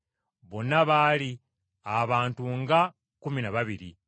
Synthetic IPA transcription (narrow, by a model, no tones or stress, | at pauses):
βo̞nːaβali | aβaːntuŋɡa | kuminaβaβiɾḭ